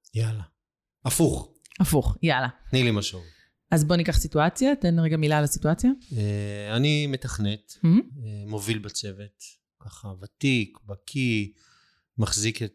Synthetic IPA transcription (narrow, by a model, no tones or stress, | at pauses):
jala | afuχ | afuχjalanilimaʃov | azbo̞nikaχsituat͡sjatenʁeɡamilalasituat͡sjaeanime̞taχnet̪̩emo̞vilbat͡sevet | kaχavat̪ikbakʰi | maχziket